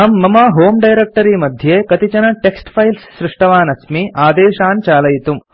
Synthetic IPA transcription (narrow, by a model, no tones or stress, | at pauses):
aːmːɐmaːɦoːmɖɐjɾek̚ʈɐɾiːmɐd̪ʱjeːkɐt̪it͡ʃɐnɐʈeksʈpʰɐjlsːɾɪʂʈɐʋaːnɐsmiʔaːd̪eːʃaːnt͡ʃaːlɐjit̪um